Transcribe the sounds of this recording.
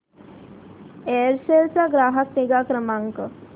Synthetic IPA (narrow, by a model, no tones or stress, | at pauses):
eːɾselsaɡɾaːɦak̚niɡaːkɾəmaŋkə